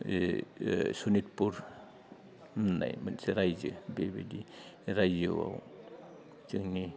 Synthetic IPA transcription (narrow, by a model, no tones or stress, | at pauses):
sunitpuɾ | nːa̰jmanseɾajzɯbebediɾajzɯwa̰w | t͡ʃɯŋni